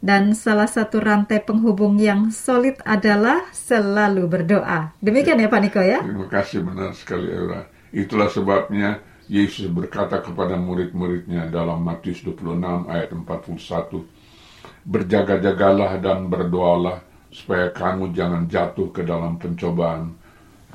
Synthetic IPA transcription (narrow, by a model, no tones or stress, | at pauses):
dansalahsat̪uɾant̪ajpəŋɦubʊŋjaŋsolɪt̪adalahsəlalubərdoʔadəmikianjapanikojat̪ɾimakasɪhbəna̰rsə̥kalḭa̰ɾa̰ | it̪ulahsəbap̚ɲa | jesʊsbərkat̪akəpadamuɾɪt̪̚muɾɪt̪̚ɲadalamːat̪iʊsduəpuluənama̰jat̪əmpat̪̚pulusat̪u | bərd͡ʒaɡad͡ʒaɡalahdanbərdoalah | su̥pajakamud͡ʒaŋand͡ʒat̪ʊhkədalampəɲt͡ʃobaʔan